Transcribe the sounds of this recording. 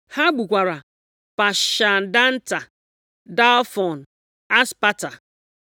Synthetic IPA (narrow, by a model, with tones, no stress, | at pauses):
ha˦ɡ͡bu˨kʷa˨ɾa˨ | pa˨ʃa˨n̩˨da˦n̩˦ta˨ | da˦lfɔ˨n̩˨ | a˦spa˦ta˨